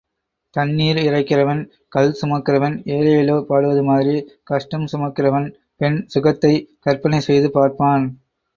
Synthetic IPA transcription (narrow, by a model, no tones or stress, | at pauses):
t̪ɐnːiːɾɪrɐɪkːɪrɐʋɐn | kɐlsʊmɐkːɪrɐʋɐneːlɐjɪloːpaːɽɯʋɐðɯmaːðɪɾikɐʂʈɐmsʊmɐkːɪrɐʋɐn | pɛnsʊɣɐt̪ːɐɪkɐɾpɐnɐɪsɛjðɯpaːɾpaːn